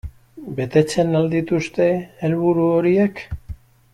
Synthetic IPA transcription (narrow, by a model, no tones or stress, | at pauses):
be̞t̪e̞t͡se̞nald̪it̪ust̪e̞ːlβuɾuo̞ɾie̞k